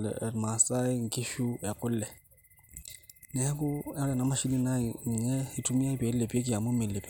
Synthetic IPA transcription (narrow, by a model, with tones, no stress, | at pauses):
lɛ̰ɛ˨ma˨sa˦ɪ˦ŋ̩˨kʼɪ˦ʃu˦ja˨kʼʊ˦l̩˦lɛ˨ | nɛ˨˦a˦kʊ˦ɛ˦ɔ˦lɛ˨na˨˦ma˦ʃi˦li˦na˦ŋ̩˨ɲɛ˦hɪ˦tʰu˦mi˦a˦ɪ˦pe˨le˨pe˦k̬ʼɪ˦ja˨mʊ˦mɪ˨le˨pɛ˨